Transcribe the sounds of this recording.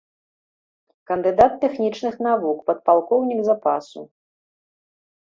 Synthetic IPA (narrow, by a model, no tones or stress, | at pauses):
kɐnd̪ɨd̪at̪ːɛxnʲit͡ʂnɨxnavukpɐt̪̚palˠkɔwnʲiɡzapasṵ